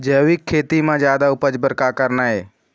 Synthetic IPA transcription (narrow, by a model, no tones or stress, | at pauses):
d͡ʒəːʋɪkʰːeːt̪imãːd͡ʒjaːd̪aʊpəd͡ʒbəɾkakəɾnaːɦeː